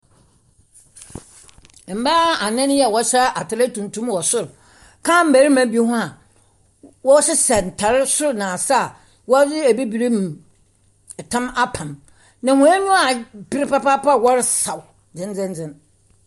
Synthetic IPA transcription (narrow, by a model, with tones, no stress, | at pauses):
m̩˨ba˦a˨nɛ̃˦n˦jɛ˦˨wɔ˦ɕɛ˦ʔa˨tɪ˨ɾa˦tʰũ˨n˨tʰũ˦mwɔ˨sʊ˦ɾ | kʰã˦˨m̩˨bæ˨˦ɾɪ˦mã˨˦bi˦e˦ɦʊ̃˦a˨ | wɔ˦ɕɪ˦sɛ˨n̩˨tʰa˨ɾɪ˦sʊ˦ɾnã˨sa˦˨ | wɔ˦d͡zɪ˦æ˨bi˦bi˨ɾe˦m˨ | tʰã˦ma˦pʰã˨m | nã˨hʊ̃˨˦ɛ˦nũ˦a˨bɪ˦ɾɪ˦pa˦pa˦pa˦wɔ˦ɾɪ˦sa˨w | d͡zɪ̃˦n˦d͡zɛ̃˦n˦d͡zɛ̃˦n